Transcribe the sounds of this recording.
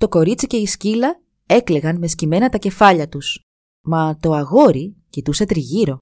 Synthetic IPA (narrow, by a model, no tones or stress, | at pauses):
t̪o̞ko̞ɾit͡sice̞iscilɐ | e̞kle̞ɣɐnme̞scime̞nɐt̪ɐce̞fɐʎɐt̪us | mɐt̪o̞ɐɣo̞ɾicit̪use̞t̪ɾiʝiɾo̞